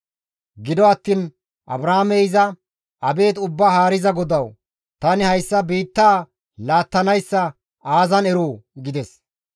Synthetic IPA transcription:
ɡɪd̪ɔɐt̪ːiːn | ʔɐ̰bɾaːmɛɪzɐ | ʔɐbe̞ːt̪ʊbːahaːɾɪzɐɡɔd̪ɐw | t̪ɐnɪhɐjsːɐbiːt̪ːaː | laːt̪ːɐnɐjsːɐ | aːzɐnɛɾoːɡɪd̪ɛs

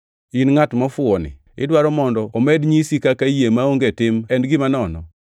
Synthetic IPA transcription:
inŋatmɔfʊɔnɪ̰ | ɪ̰dwaɾɔmɔndɔomɛdɲisikakajemaoŋɡetɪmɛndɡimanɔnɔ̰

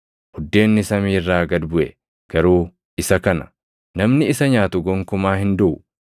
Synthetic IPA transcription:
hʊd̪ːe̞ːnːɪsɐmiːrːaːɡɐd̪bʊʔɛ | ɡ̥ɐɾuː | ʔɪsɐkɐnɐ̥ | nɐmnɪɪsɐɲaːt̪ʊɡɔŋkʊmaːhɪnd̪ʊʔʊ

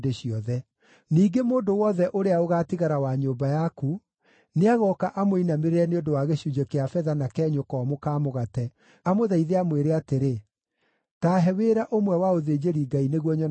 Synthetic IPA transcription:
deɕiɔðɛ | niːɡemoːndowɔðɛʔoɾeaoɣaːtiɣaɾawaɲoːmbajaku | neaɣɔkaʔamoinameɾeɾɛneondowaɣeɕud͡ʒekeafɛðanakɛːɲokɔːmokaːmoɣatɛ | amoðaiðeamweɾeateɾe | taːɦɛweɾaʔomwɛwaoðeːd͡ʑeɾiɡaineɣwɔɲɔ

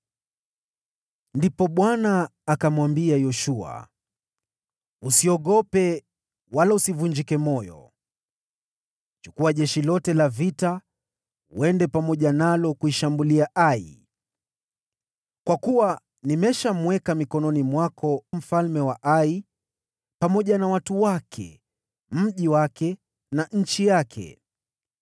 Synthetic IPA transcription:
ndipɔɓwanaːkamwambiajɔʃua̰ | usiɔɠɔpɛ | walausivuɲd͡ʒikɛmɔjɔ̰ | t͡ʃukuaʄɛʃilɔtɛlavita | wɛndɛpamɔʄanalɔkuiʃambuliaʔaḭ | kwakuwa | nimɛʃamwɛkamikɔnɔnimwakʰɔm̩falmɛwaʔai | pamɔʄanawatuwakʰɛ̰ | m̩ʄiwakɛ | naɲ̩t͡ʃijakʰɛ̰

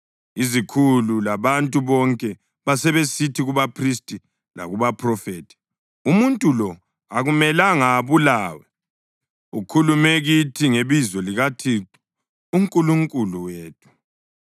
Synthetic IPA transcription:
izikʰululaβantʼuβɔŋkʼɛ | βasɛβesitʰiɣuβapʰristʼi | la̰ɣuβapʰrɔfeːtʰɛ̥ | umuntʼulɔ | aɣumɛlaŋaβulaːwɛ | ukʰulumɛɣitʰiŋeβizɔliɣatʰiǃu̥ | uŋkʼuluŋkʼuluweːtʰu̥

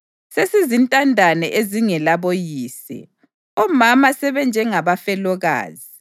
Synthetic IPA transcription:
sesizintʼandʱanɛʔeziŋɛlaβojiːsɛ̰ | ɔmamasɛβɛnd͡ʒʱɛŋaβafɛlɔɣa̰ːzi

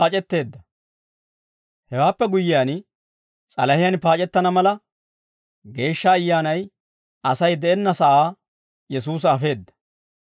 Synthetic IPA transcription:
aːt͡ʃʼɛt̪ːe̞ːd̪ːɐ | hɛwaːpːɛɡʊjːɪjaːn | t͡sʼɐlɐhɪjɐnpaːt͡ʃʼɛt̪ːɐnɐmɐlɐ | ɡe̞ːʃːɐːjːaːnɐj | ʔɐsɐjd̪ɛʔɛnːɐsɐʔaː | jɛs̬uːs̬ɐːfe̞ːd̪ːɐ̥

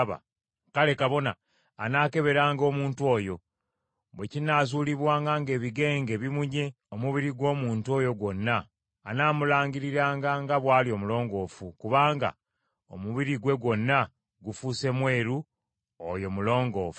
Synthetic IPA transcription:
βa̰ | kale̞kaβo̞na̰ː | naːke̞βe̞ɾaːŋɡo̞ːmuːntwo̞ːjo̞ | βwe̞cinazuːliβwaːŋɡaŋɡe̞ːβiɡe̞ːŋɡe̞βimuɲe̞ | omuβiɾiɡwo̞ːmuːntuo̞ːjo̞ɡwo̞nːaː | naːmulaːɲɡiɾiɾaːŋɡaŋɡaβwaːlio̞mulo̞ːŋɡo̞ːfukuβaːŋɡa̰ | o̞̰muβiɾiɡwe̞ɡwo̞nːa | ɡufuse̞mwe̞ːɾu | o̰jo̞mulo̞ːŋɡo̞ːfu

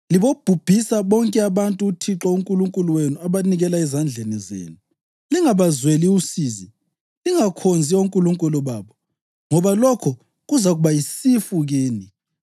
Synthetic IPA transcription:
liβob̥ʱub̥ʱisaβɔŋkʼɛaβantʼuːtʰiǁauŋkʼuluŋkʼuluwenuaβaniɣɛlaɛzand͡ɮʱenizḛːnu | liŋaβazweliusiːzi | liŋakʰond͡zʱiauŋkʼuluŋkʼulɔβaːβɔ | ŋɔβalɔkʰɔ | ɣuzaɣuβajisifuɣeːni

